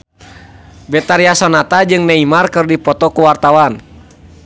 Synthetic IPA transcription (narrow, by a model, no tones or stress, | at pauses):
bɛt̪aɾiasɔnat̪ad͡ʒɨŋnɛimarkɨrdipɔt̪ɔkuwart̪awan